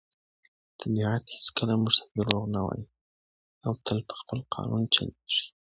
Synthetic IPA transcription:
t̪ʰabihat̪het͡skəlamuʐt̪ad̪əɾoɣnawɑ̰ji | awt̪ʰəlpə̥xpəlqʰɑ̰nʔunt͡ʃa̰lʂi̥

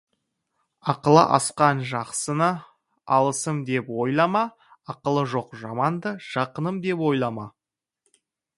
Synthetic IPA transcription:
ɑqəlˠə̰ʔɑ̰sqɑnʒɑqsənə | ɑlˠəsəmd̪e̞pwo̞jlˠɑmɑ | ɑqəlˠəʒo̞qʒɑmɑnd̪əʒ̥ɑqənəmd̪e̞pwo̞jlˠɑmɑ

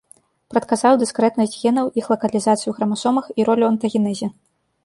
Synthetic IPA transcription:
pɾɐt̪kazawd̪ɨskɾɛt̪nɐsʲd͡zʲɣʲɛnɐwixlˠɐkɐlʲizat̪sɨjuɣɾɐmasɔmɐxiɾɔlʲuɐnt̪ɐɣʲinɛzʲi

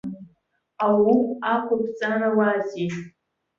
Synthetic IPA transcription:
awukʷakʷʰapʰt͡sʼanawaziʒ

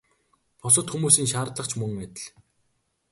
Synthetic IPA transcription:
pʰɔs̬ɞ̆t̪xumuːsiːŋʃaːrt̪ɮə̆χt͡ɕʰmɵŋæt̪ʲɪ̆ɮ

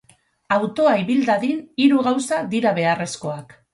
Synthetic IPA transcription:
awt̪o̞aiβild̪aðiniɾuɣawsad̪iɾaβe̞are̞sko̞ak

